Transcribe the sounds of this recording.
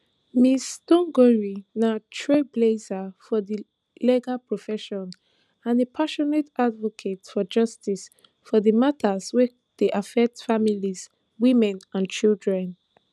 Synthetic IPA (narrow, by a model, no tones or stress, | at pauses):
mistɔ̃ŋɡɔɹinatʰɹeblezafɔði | lɛɡapʰɹɔfɛʃɔ̃n | ãnepʰaʃɔnetadvɔkʰetfɔd͡ʒʌstis | fɔðəmatʰəzwɛ | ð̥eʔafɛk̚tfamiliz | wĩmɛ̃nãnt͡ʃildɹɛ̃n